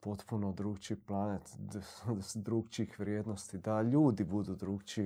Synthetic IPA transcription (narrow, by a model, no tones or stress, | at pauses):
pot̪punod̪ɾuːkt͡ʃiplˠanet̪ | d̪ɾuːɡt͡ʃixʋɾʲjeːd̪nost̪id̪aʎuːd̪ibud̪ud̪ɾuːkt͡ʃi